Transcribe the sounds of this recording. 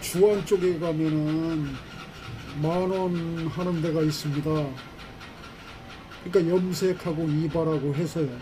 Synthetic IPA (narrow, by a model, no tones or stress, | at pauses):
t͡ɕuant͡ɕ͈oɡeɡamjʌnɯn | manʌnɦanɯnde̞ɡais͈ɯmɲida | kɯɲik͈ajʌmsʰekʰaɡoibaɾaɡoɦe̞sʰʌjo